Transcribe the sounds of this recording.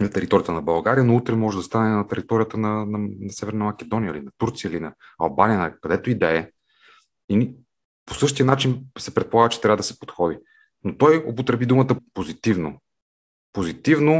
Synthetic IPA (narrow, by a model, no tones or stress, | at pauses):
nɐt̪ɛɾit̪ɔɾijət̪ənɐbɐlˠɡaɾijənout̪ɾɛmɔʒɛd̪ɐst̪anɛnɐt̪ɛɾit̪ɔɾijət̪ənɐnɐnɐsɛvɛɾnɐmɐkʲɛd̪ɔnijəilinɐt̪uɾt̪sijəilinɐ | ɐ̰lˠbanijənɐkɐd̪ɛt̪oid̪ɛɛ | ini | posɤʃt̪ijənat͡ʃinsɛpɾɛt̪̚polˠaɡət͡ʃɛ̥t̪ɾavəd̪ɐsɛ̥po̥t̪xɔd̪i | not̪ɔjopot̪ɾɛbid̪umət̪əpozit̪ivno̰ | pozit̪ivno